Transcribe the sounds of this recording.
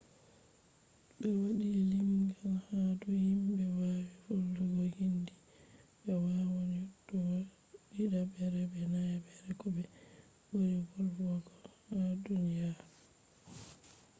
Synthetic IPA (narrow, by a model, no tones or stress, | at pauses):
ɓɛwaɗilimɡanhaduhimbɛwawifolːɔɡɔhindi | bɛwawaɲɔdːɔwa | iɗabɛɾɛbɛnajabɛɾɛkɔbɛ | bojivɔlaɡɔadunijaɾɔ